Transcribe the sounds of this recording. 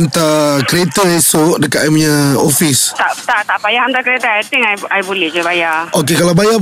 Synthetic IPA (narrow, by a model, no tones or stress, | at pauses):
nt̪akɾet̪əesɔʔdəkat̪amɲãofist̪aʔt̪aʔt̪aʔpajaŋant̪akəɾet̪əajt̪ɪŋajajbulɛhd͡ʒabajaʔokekalawbaja